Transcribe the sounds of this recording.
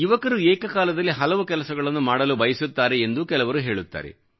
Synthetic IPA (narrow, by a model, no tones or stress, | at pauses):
iʋɐkɐɾuɛːkɐkaːlɐd̪ɐlːiɦɐlɐʋukɛlɐsɐɡɐɭɐnːumaːɽɐlubɐjɐsut̪ːaːɾeːnd̪ukɛlɐʋɐɾuɦe̞ːɭut̪ːa̰ːɾḛ